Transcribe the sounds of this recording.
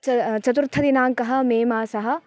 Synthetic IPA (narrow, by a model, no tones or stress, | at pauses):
t͡ʃɐt͡ʃɐt̪uɾt̪ʰɐd̪inaːŋkɐɦɐ̆meːmaːsɐɦɐ̆